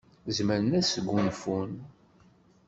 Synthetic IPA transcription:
zməɾənæsəɡʷːunfun

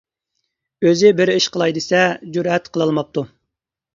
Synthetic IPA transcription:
øzɪbɪɾɪʃqʰəlˠɑjd̪ɨsɛd͡ʒuɾɛt̪qʰəlˠɑlˠmɑp̚t̪ʰu

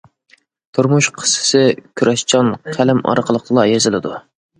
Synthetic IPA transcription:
t̪ʰuɾmuʃqʰə̥sɨ̥sɨkʲʰyɾʔɛʃt͡ʃʰɑnqʰælɪmɑ̰ɾqʰəlˠəq̪lˠɑjezɪlɪd̪u

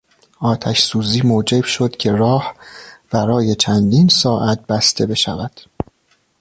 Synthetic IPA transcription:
ɒːt̪ʰæʃsuːziːmod͡ʒe̞bʃo̞d̪̥cʰe̞ɾɒːhb̥æɾɒːje̞t͡ʃʰænd̪iːnsɒːʔæt̪̚bæst̪ʰe̞be̞ʃæ̰væd̪̥

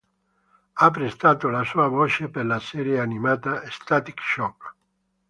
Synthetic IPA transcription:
apːɾest̪aːt̪olasuːavoːt͡ʃeperlasɛːɾjeanimaːt̪aest̪at̪ikʃɔk

